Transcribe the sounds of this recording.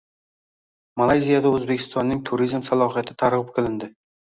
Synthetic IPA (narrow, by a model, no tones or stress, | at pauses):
malˠajzijad̪aɵzbekʲʰɪ̥st̪ɒnːɪŋt̪ʰʊɾizmsalˠɒɦijat̪ʰɪt̪ʰaɾʁɨp̚kʰʲɪlɪnd̪ɪ